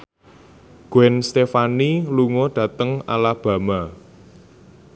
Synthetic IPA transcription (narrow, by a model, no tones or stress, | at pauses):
ɡ̥ɛnst̪efaniluŋoɖ̥ä̤t̪əŋa̰lab̥ä̤ma